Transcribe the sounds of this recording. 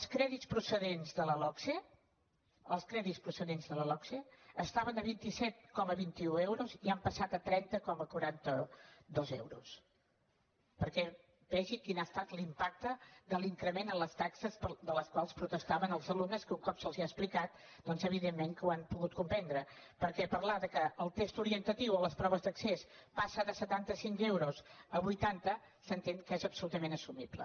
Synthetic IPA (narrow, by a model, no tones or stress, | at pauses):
əlˠskɾɛðitspɾusəðenzðələlɔkse | əlˠskɾɛðispɾusəðenzðələlɔkseəst̪aβənəβint̪isɛt̪̚kɔməβint̪iuewɾuziampəsat̪ət̪ɾɛnt̪əkɔməkuɾant̪əd̪ɔzɛ̰wɾṵs | pəɾkɛ | bɛʒikinast̪at̪limpak̚t̪əd̪əliŋkɾəmenənləst̪aksəzpəd̪ələskwalˠspɾut̪əst̪aβənəlˠzəlumnəskəuŋkɔpsəlˠziaəsplikat̪̚ | d̪ɔnzəβ̞iðemːeŋkəwampuɣut̪̚kumpɛnd̪ɾə | pəɾkɛpəɾlaðəkəʔəlˠt̪est̪uɾiənt̪ət̪iwələspɾɔβəzd̪əksespasəðəsət̪ant̪əsiŋkewɾuzəβujt̪ant̪ə | sənt̪eŋkezəpsulut̪əmenəsumiβlə̰